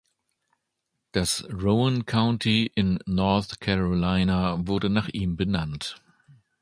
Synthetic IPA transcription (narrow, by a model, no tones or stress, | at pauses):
d̥asʁoʊmənkʰaʊ̃ntʰiʔɪnːɔɐθkʰɛʁolaɪnavʊɐdənaːχʔiːmbənant